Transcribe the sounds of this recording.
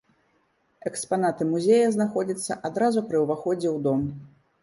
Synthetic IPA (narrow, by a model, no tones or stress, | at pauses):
ɛkspanat̪ɨmuzʲejɐznaxɔd͡zʲɐt̪sːɐ̰ʔad̪ɾazupɾɨwvaxɔd͡zʲɛwd̪ɔm